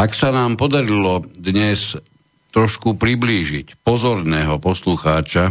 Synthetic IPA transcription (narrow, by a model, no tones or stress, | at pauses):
aksanaːmpɔd̪aɾilɔd̪ɲɛs | t̪ɾɔʃkupɾibliːʒicpɔzɔɾnɛːɦɔpɔsluxaːt͡ʃa